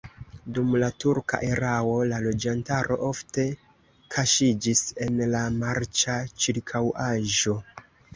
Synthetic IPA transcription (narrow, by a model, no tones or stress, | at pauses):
dumlatuɾka̰ʔe̞ɾao̞lalo̞d͡ʒantaɾʔo̞̰ʔofte̞ | kʰaʃid͡ʒise̞nlamaɾt͡ʃat͡ʃiɾkʰawʔaʒo̞